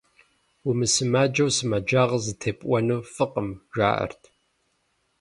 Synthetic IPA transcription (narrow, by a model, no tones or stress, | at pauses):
wumɨsɨmaːd͡ʒɐwsɨmɐd͡ʒaːʁɐzɨtʰeːpʼʔʷɔnuːfɨqʼəmʒʷa̰ːʔɐ̰rtʰ